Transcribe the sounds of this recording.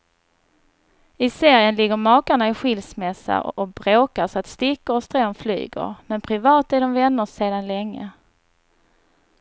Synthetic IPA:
ɪseːɾjənlɪɡːəɾmɑːkaɳaɪɧɪlsmɛsːa̰ɔbɾoːkasɔat̪st̪ɪkːəɾɔst̪ɾoːnfly̰ːɡə̰ɾmɛnpʰɾɪvɑːt̪æɖɔmvɛnːəseːd̪anlɛŋːə

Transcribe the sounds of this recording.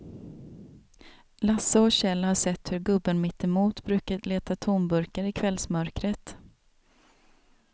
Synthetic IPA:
lasːaɔɕɛlːhaʂɛt̪ːhɵɾɡɵbːənmɪt̪ːɛmuːt̪bɾʉ̟ːkad̪leːt̪at̪ʰunbɵɾkaɾɪkʰvɛlsmœɾkɾət̪

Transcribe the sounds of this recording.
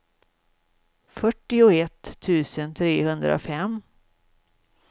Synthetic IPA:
fœʈːɪʊɛt̪ʰːʉ̟ːsənt̪ʰɾeːhɵnd̪ɾa̰ʊ̰fɛm

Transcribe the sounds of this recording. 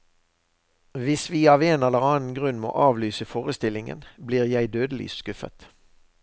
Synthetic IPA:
ʋɪsʋiːɑːʋeːnɛləʁɑːn̩ɡʁʉnmo̰ːʔɑːʋlyːsəfoːʁəst̪ɪlɪŋə̰nbliːʁjæɪd̪øːd̪əly̰ːsskʉfə̰t̪

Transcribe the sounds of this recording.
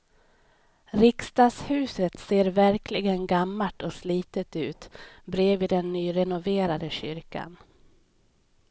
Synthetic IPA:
ɾɪkst̪ɑːshʉ̟ːsət̪seːɾvæɾkʰlɪɡənɡamːaʈɔsliːt̪ət̪ʉ̟ːt̪bɾeːvɪd̪ɛnːyːɾɛnʊveːɾad̪əɕʏ̰ɾka̰n

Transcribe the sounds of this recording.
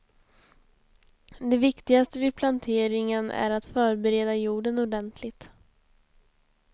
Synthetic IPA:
d̪ɛvɪkt̪ɪɡast̪əvɪpʰlant̪ʰeːɾɪŋənʔæ̰ɾat̪fœːɾbɛɾeːd̪ajuːɖənɔɖɛnt̪ʰlɪt̪

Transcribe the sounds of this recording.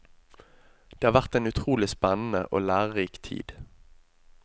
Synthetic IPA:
d̪̥eːɑːʋæʁt̪eːnʉt̪ʰʁuːlɪspɛnn̩ə̰ʔo̰ːlæːʁiːkt̪ʰḭːd̪̥

